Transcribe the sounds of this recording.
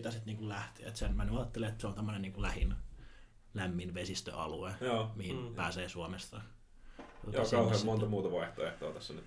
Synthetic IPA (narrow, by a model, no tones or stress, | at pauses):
it̪æsit̪niːŋkullæht̪iḛt̪senmænyɑːt̪ːeliet̪seont̪æmːoneniːŋkullæhin | læmːinʋesist̪ø̰ʔɑ̰luejoːmihinpæːseːsuomest̪ɑ | t̪o̰oemont̪ɑmuːt̪ɑʋɑeht̪o̰eht̪o̰ːt̪æsːænyt̪